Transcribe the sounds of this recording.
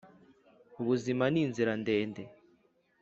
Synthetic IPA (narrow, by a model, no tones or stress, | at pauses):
uβuzimaniːnziɾande̞ːnde